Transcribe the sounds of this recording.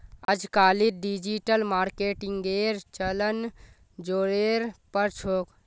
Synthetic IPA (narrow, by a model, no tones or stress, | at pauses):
əd͡ʒkaːlitɖid͡ʒiʈəlmaːɾkeʈiŋɡeɾt͡ʃələn | d͡ʒoːɾeɾpəɾt͡ʃʰoːk